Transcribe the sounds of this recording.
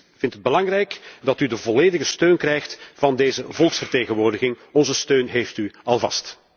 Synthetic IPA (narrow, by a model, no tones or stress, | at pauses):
v̥ɪntəd̚bəlɑŋrɛjkdɑtydəvɔleːdəɣəstøːnkrɛjxtvɑndeːzəvɔlˠksfərteːɣənʋoːrdəɣɪŋɔnzəstøːnɦeːftyɑlˠvɑ̰st